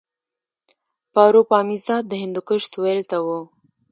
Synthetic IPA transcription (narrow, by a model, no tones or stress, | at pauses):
pɑːɾopɑːmisɑd̪əɦɪnd̪ukəʂt̪welt̪awo